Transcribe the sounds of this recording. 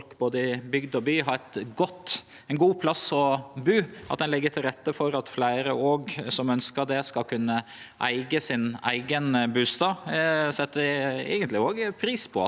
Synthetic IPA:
kboːd̪əɪbʏɡd̪ɔbyːɦɑɾɛt̪ɡɔt̪ː | ɛɪnɡuːpʰlɑsɔbʉːʔɑt̪̚d̪ɛnlɛɡːəʈ̪ʰɪlɾɛt̪ːəfɔɾɑt̪flæɪɾəoːɡsɔmœnskəɾd̪ɛskɑlkʰʉnːə | ʔæ̰ɪɡəsɪnæ̰ɪɡənbʉːst̪ɑːsɛt̪ːəɛ̰ːɡənt̪lɪoːɡpʰɾiːspʰɔ̰

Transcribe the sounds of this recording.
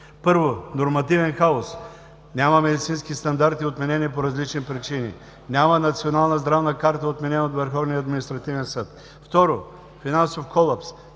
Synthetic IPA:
pɤɾvonoɾmɐt̪ivɛnxaos | nʲaməmɛd̪it̪sinskist̪ɐnd̪aɾt̪iot̪mɛnɛniɛpoɾɐzlit͡ʃnipɾit͡ʃinḭ | nʲamənɐt̪sionalˠnəzd̪ɾavnəkaɾt̪əot̪mɛnɛnot̪vəɾxɔvniəːd̪minist̪ɾɐt̪ivɛnsɤt̪ | ft̪ɔɾo | finansofkʰɔlˠaps

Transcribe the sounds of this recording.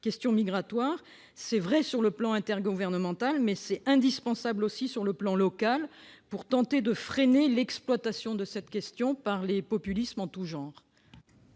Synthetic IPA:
kʲɛst̪jɔ̃miɡʁat̪waʁ | sɛvʁɛsyʁləplɑ̃ɛ̃t̪ɛʁɡuvɛʁnəmɑ̃t̪almɛsɛɛ̃d̪ispɑ̃sablosisyʁləplɑ̃lɔkalpuʁt̪ɑ̃t̪ed̪əfχenelɛksplwat̪asjɔ̃d̪əsɛt̪kʲɛst̪jɔ̃paʁlepɔpylismɑ̃t̪uʒɑ̃ːʁ

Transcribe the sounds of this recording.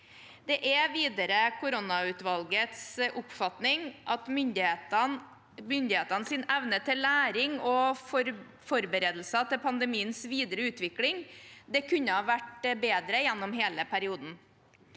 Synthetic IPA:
d̪̥ɛʔɛʋiːd̪əɾəkʰʊɾʊnɑʉːt̪ʋɑlɡət̪sʔʊpfɑt̪nɪŋʔɑt̪mʏnd̪ɪe | mʏnd̪ɪheːt̪ɑnəsɪnʔɛʋnət̪ʰːɪlːæːɾɪŋɔ | fɔɾbəɾeːd̪l̩sɑt̪ʰɪlpʰɑnd̪ɛmiːənsʋiːd̪əɾəʉːt̪ʋɪklɪŋd̪ɛkʰʉɲːəhɑːʋæʈbeːd̪ɾəjɛnːɔmɦeːləpʰæɾɪuːd̪n̩

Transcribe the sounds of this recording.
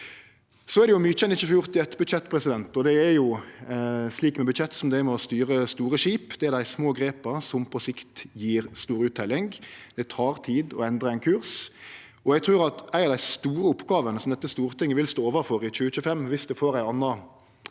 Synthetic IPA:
sɔæɾd̪ɛjʊmyːt͡ʃɛnɪt͡ʃːʉːfjʊʁt̪ɪɛt̪ːbʉt̪ɕɛt̪ːpʰʁɛsɪd̪ɛnt̪ɔd̪ɛæɾjʊ | sliːkmɛbʉt̪çɛt̪ːsɔmd̪ɛɪmɛɔst̪yːʁəst̪uːʁəʃiːpd̪̥ɛæɾd̪æɪsmoːɡɾeːpɑsɔmpʰɔsɪkt̪jiːʁst̪uːɾəʉːt̪ʰːɛlːɪŋɡd̪̥ɛt̪ʰɑːʁt̪ʰiːd̪ɔɛnd̪ʁəæɪnkʰʉʁs | ɔɛɡt̪ʰʁʉːʁɑt̪æɪnɑʋd̪æɪst̪uːɾəʊpːɡɑːʋənəsɔmd̪ɛt̪ːəst̪uːʁt̪ʰɪŋːəʋɪlst̪oːoːʋəɾfɔʁɪt͡ʃʉːət͡ʃʉːfɛmːʋɪsd̪ɛfoːʁæɪɑnːɑ

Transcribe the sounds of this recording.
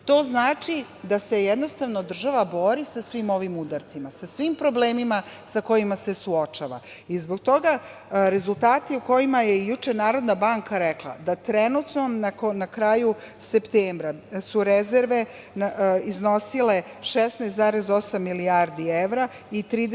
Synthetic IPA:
t̪o̞ːznaːt͡ʃi | d̪ase̞jed̪no̞st̪aʋnod̪r̩ʒaʋabo̞ːɾisasʋimo̞ʋimud̪aɾt̪simasasʋimpɾo̞ble̞ːmima | sako̞jimase̞suo̞t͡ʃaʋa̰ | izbo̞ɡ̚t̪o̞ɡa | ɾe̞zult̪aːt̪iuko̞jimajejut͡ʃe̞naːɾo̞d̪nabaŋkaɾeklˠa̰d̪at̪ɾenut̪no̞nanakɾaːju | sept̪eːmbɾasuɾezeɾʋe̞ | nizno̞sile̞ | ʃesnast̪zaːɾe̞zo̞samːiliaɾd̪ieʋɾa | it̪ɾiːd̪

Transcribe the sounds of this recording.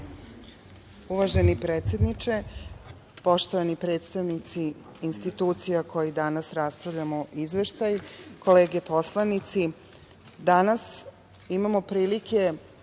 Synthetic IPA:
uʋaʒe̞nipɾet̪sʲje̞d̪nit͡ʃe̞ | po̞ʃt̪o̞ʋanipɾe̞t̪st̪aʋnit̪siː | nst̪it̪uːt̪sijakʰo̞jid̪anasɾaspɾaʋʎʲamoʔizʋe̞ʃt̪ajko̞le̞ːɡepo̞slanit̪si | d̪anas | imamo̞pɾiːlikʰe̞

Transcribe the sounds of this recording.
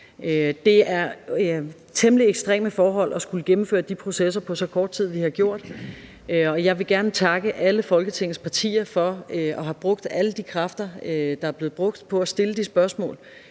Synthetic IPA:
ød̥e̝æɐ | t͡sʰeməlieɡ̥sd̥ʁɛ̰ːməfɒːɦɒ̽l̰ɒ̽sɡ̥uləɡ̥emm̩fø̰ɐd̥ipʰʁo̝sesɐpʰɒ̽sɒ̽kʰɒːd̥̚t͡sʰið̞̰ˠʋihɑ̈ɡ̥jo̝ɐ̰d̥ | ɒ̽jɑ̈ɪʋe̝ɡ̥æɐnət͡sʰɑ̈ɡ̥əʔæləfɒ̽lɡ̥ət͡sʰe̝ŋ̰n̩spʰɑ̈t͡sʰḭːɐfɒ̽ʔɒ̽ɦɑ̈b̥ʁɔ̽ɡ̥̚d̥æləd̥ikʰʁɑfd̥ɐød̥ɑ̈æɐb̥le̝̥ːb̥ʁɔ̽ɡ̥̚d̥pʰɒ̽æsd̥e̝ləd̥isb̥ɶɐsmɔ̰̽ːl

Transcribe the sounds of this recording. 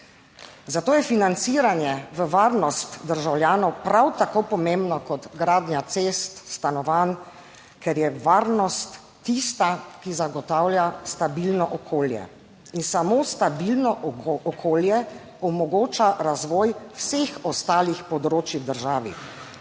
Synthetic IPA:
zat̪oːjɛfinant̪siːɾanjɛʋəʋaːɾnɔst̪d̪əɾʒawljaːnɔwpɾawt̪akopɔmembnɔkɔt̪ɡɾaːd̪njat̪seːst̪st̪anɔʋan | kɛɾjɛʋaːɾnɔst̪ː | ist̪akizaɡɔt̪aːwljast̪abilnɔʔɔkʰoːljɛ̰ | insamoːst̪abilnɔʔɔkʰoːljɛ | ɔmɔɡoːt͡ʃaɾazʋɔːjwsexɔst̪aːlixpɔd̪ɾoːt͡ʃjiwd̪əɾʒaːʋḭ

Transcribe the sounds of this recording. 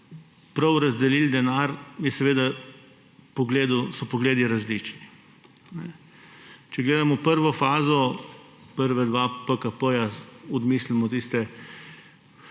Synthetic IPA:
pɾɐwɾɐzd̪ɛlild̪ɛnaɾjɛsɛʋeːd̪a | pɔɡleːd̪usɔpɔɡleːd̪iɾazliːt͡ʃni | nɛ | t͡ʃɛɡleːd̪amɔwpəɾʋɔfaːzɔ | pəɾʋɛd̪ʋapəkapəjaɔd̪mislimɔt̪ist̪ɛ

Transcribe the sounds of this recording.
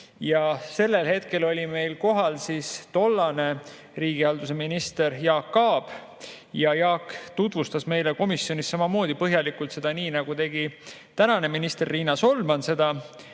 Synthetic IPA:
jɑse̞lːe̞lhe̞t̪ke̞lo̞lʲime̞jlko̞ɦɑlsist̪o̞lːɑne̞ | riːɡ̥iɑld̪use̞minist̪e̞ɾjɑːkːɑːb̥ | jɑjɑːkːt̪ut̪vust̪ɑsme̞jleko̞misːjo̞nʲissɑmɑmo̞ːd̪̥ipɤɦjɑlikult̪se̞d̪̥ɑniːnɑɡ̥ut̪e̞ɡ̥i | t̪ænɑne̞minist̪e̞rːiːnɑso̞lːmɑnse̞d̪̥ɑ

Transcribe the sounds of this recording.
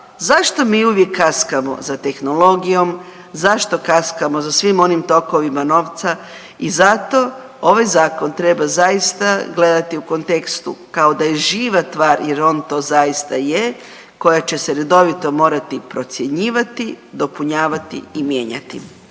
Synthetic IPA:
zaʃt̪o̞miːuʋje̞kʰːaskamo̞̰zat̪e̞xno̞lo̞ɡijo̞m | zaʃt̪o̞kaskamo̞zasʋimo̞nimt̪o̞ko̞ʋimano̞ːʋt̪sa | izat̪o̞ | o̞ʋajzaːko̞nt̪ɾe̞bazajist̪aɡle̞d̪at̪iuko̞nt̪e̞kst̪ṵkao̞d̪ajeʒiːʋast̪ʋaːɾje̞ɾo̞ːnt̪o̞ːzajist̪aje | ko̞jat͡ɕe̞seɾe̞d̪o̞ʋit̪o̞mo̞ːɾat̪ipɾo̞t̪sje̞ɲiːʋat̪i | d̪o̞puɲaːʋat̪ḭimje̞ːɲa̰t̪ḭ

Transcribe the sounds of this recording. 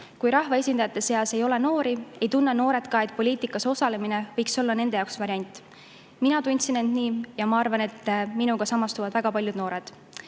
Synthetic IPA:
kujɾɑhvɑe̞sʲind̪ɑjɑt̪ːˑe̞se̞ɑse̞jo̞le̞no̞ːɾie̞jt̪unːɑno̞ːɾe̞t̪kɑe̞t̪̚ˑpo̞lʲiːt̪ˑikːˑɑso̞sɑle̞mine̞vɤjkso̞lːɑne̞nd̪̥ejɑoksvɑɾʲjɑnʲt̪ːˑ | minɑt̪unʲt̪sinːe̞nd̪̥niːjɑmɑɑrvɑne̞t̪ːminuɡ̥ɑsɑmːɑst̪uvɑd̪væɡ̥ɑpɑljud̪no̞ːɾe̞d̪̥

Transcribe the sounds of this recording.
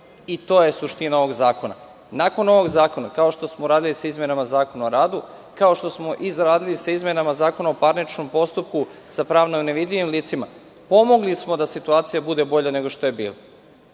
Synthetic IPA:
it̪o̞ːjesuʃt̪inaoʋo̞ɡzaːko̞na̰ | naːko̞no̞ʋo̞ɡzaːko̞nakao̞ʃt̪o̞smoɾaːd̪ilisaizme̞namazaːko̞naoɾaːd̪u | kao̞ʃt̪o̞smo̞ʔizɾaːd̪ilisaizmenamazaːko̞naopaɾnit͡ʃno̞mpo̞st̪up̚ku | sapɾaːʋnoneʋid̪ʎʲiʋimliːt̪sima | po̞mo̞ɡlismo̞d̪asit̪uaːt̪sijabud̪e̞bo̞ʎane̞ɡo̞ʃt̪o̞jebḭːlo

